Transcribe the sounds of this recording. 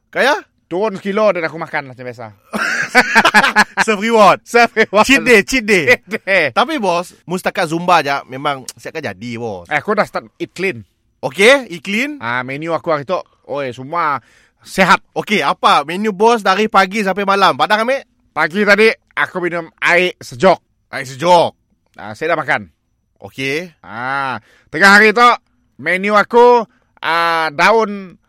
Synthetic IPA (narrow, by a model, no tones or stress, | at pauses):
kaja | t̪uʊnskilodanakumakanlaht͡ʃabias̬a̰ | səfɾiwɔt̪̚səfiwɔt͡ʃit̪̚det͡ʃit̪̚dedt̪ap̬ibɔs | must̪akat̪̚zumbad͡ʒaʔmemaŋsiaʔkand͡ʒa̰dibɔ̰sɛakudahst̪at̪̚iklin | okeiklinamenjuakuaɾit̪ɔʔ | oesumua | seɦat̪̚okeapamenjubɔs̬daɾipaɡis̬ampamalampadakameʔ | paɡit̪adi | akubinʊmaɪʔsəd͡ʒɔk̚ | a̰iʔsəd͡ʒɔk̚ | ə̰sajadaʔmakan | o̰kea | t̪əŋaɦaɾit̪ɔʔ | menjuaku | ədaʊn